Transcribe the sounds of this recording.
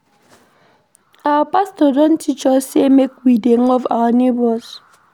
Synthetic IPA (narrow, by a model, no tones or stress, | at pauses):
awapastɔdɔ̃n̩tʰit͡ʃɔsemekwideŋɔvawanebɔs